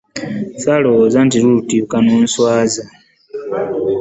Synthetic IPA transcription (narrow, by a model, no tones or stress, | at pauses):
salowozantiɾulutikanoːnswaːza